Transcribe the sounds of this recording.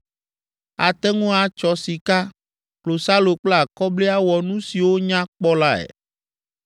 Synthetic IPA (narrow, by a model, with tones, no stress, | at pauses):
a˨t̪ɛ˦ŋũ˦a˨t͡ʃɔ˨si˨ka˦ | k͡plo˨sa˦lo˨k͡ple˦a˨kɔ˦ble˦a˦wɔ˨nũ˦si˨wo˦ɲã˦k͡pɔ˦la˦ɛ̰˨